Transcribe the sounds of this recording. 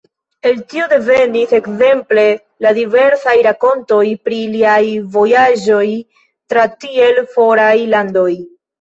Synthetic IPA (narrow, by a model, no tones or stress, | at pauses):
e̞ltio̞de̞ve̞nise̞kze̞mple̞ | ladive̞ɾsajɾako̞nto̞jpɾiliajvo̞jaʒo̞j | tɾatie̞lfo̞ɾajlando̞j